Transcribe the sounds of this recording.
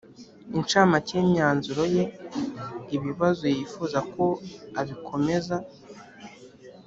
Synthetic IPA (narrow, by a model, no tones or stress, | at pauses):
int͡ʃaːmaceːmɲaːnzuɾo̞je̞ | iβiβazojiːfuːzako̞aβikʰo̞me̞za